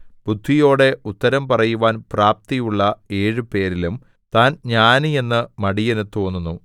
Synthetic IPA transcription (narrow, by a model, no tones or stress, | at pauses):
b̥ud̪ʱʋijo̞ːɽe̞ut̪ːɐɾɐmpɐrɐjuʋaːnpraːp̚t̪ijuɭːɐe̞ːɻɨpe̞ːɾilum | t̪aːnɲaːnɨe̞nːɨmɐɽijenet̪ːoːnːunːu